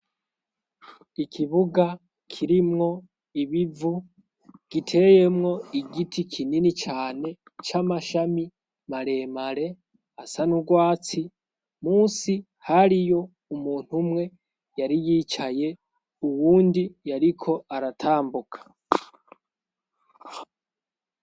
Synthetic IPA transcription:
ikʰiβuɡa | kʰiɾimŋo̞ | iβivu | ɡ̥itʰe̞je̞mŋo̞iɡitʰikʰininit͡ʃaːne̞ | t͡ʃamaʃami | maɾe̞maɾe̞ | asanuɡwaːt͡si | muːsi | haɾijo̞ | umuːn̥humŋe̞ | jaɾijiːt͡ʃaje̞ | uwuːndijaɾikʰo̞aɾatʰaːmbukʰḁ

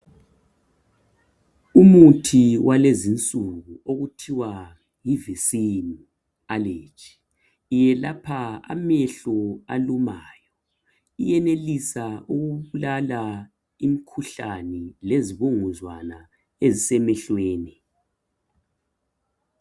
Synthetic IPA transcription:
umutʰiwʔalezint͡sʼuɣuoɣutʰiwa | jivisin | aleːt͡ʃʼʰi̥ | jɛlapʰaa̰mɛɬɔa̰lumaːjɔ | ijɛnelisauɣuβulala | imikʰuɬanɛleziβoŋuzwana | ezisɛmɛɬweːni

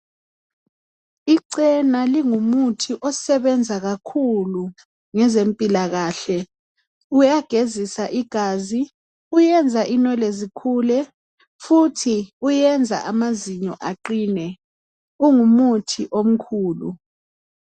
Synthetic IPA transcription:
iǀɛnaliŋumutʰiʔɔsɛβɛnd͡zʱaɣakʰulu | ŋɛzempʼilaɣaːɬɛ | ujaɡ̥ʱezisaʔiɡ̥ʱaːzi | ujɛnd͡zʱaʔinɛlezikʰuːlɛ | futʰiujɛnd͡zʱa̰ʔamaziɲɔʔaǃiːnɛ | uŋumutʰiʔom̩kʰuːlṵ

